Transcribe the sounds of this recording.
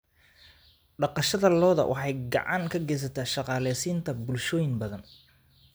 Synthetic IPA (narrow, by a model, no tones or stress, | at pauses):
ɖɑqɑʃɐðɐlɔːðɐ̰wʔɑ̰ħɑjɡɑ̰ʕɑŋkʰɐɡɛjs̬ɐt̪ʰaːʃɑqɑːlɛːsiːnt̪ʰɐbʊlʃɔːjɪnbɐðɐn